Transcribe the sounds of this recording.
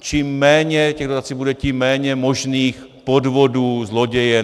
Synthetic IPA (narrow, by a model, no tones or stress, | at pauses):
t͡ʃimːɛːɲɛcɛɣdot̪at͡siːbudɛcimːɛːɲɛmo̞ʒniːx | po̞dvo̞duːzlo̞ɟɛjɛ